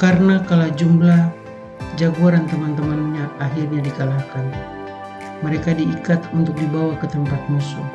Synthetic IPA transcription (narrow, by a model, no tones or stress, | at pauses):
karnakalad͡ʒumblah | d͡ʒaɡuaɾant̪əmant̪əmanɲaʔaɦirɲadikalahkan | məɾekadiːkat̪unt̪ʊk̚dibawakət̪əmpat̪̚musu